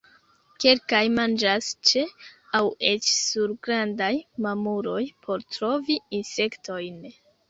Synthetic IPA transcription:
ke̞lkajmand͡ʒast͡ʃeawe̞t͡ʃsuɾɡɾandajmamuɾo̞jpʰo̞ɾtɾo̞viinse̞ktʰo̞jn

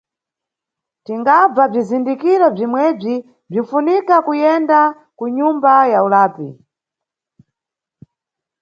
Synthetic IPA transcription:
tiŋɡab͡vab͡ʐizindikiɾɔb͡ʐimwɛb͡ʐi | b͡ʐiɱ̩funikakujɛnda | kuɲumbajaulaːpḭ

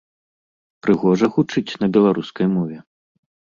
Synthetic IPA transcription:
pɾɨɣɔʐɐɣut͡ʂɨt͡sʲnɐbʲɛlˠaɾuskɐjmɔvʲɛ

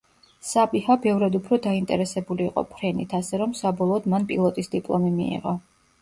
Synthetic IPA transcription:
sapʼihabɛvɾad̪upʰɾɔd̪aint̪ʼɛ̰ɾɛsɛbuliːqʼɔ̰pʰɾɛnit̪ʰasɛɾɔmsabɔlˠɔːd̪manpʼḭlˠɔt̪ʼisd̪ipʼlˠɔmimḭḭʁɔ

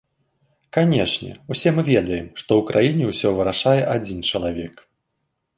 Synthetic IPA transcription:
kanʲɛʂnʲɛ̰usʲɛmɨvʲɛd̪ɐjɛmʂt̪ɔwkɾʔajinʲɛwsʲɔvɨɾaʂajɛʔad͡zʲint͡ʂɐlˠavʲɛk

